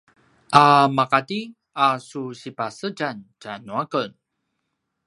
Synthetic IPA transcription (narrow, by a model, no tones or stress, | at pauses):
ʔamakati | asuɕipasəɟant͡ɕanuakən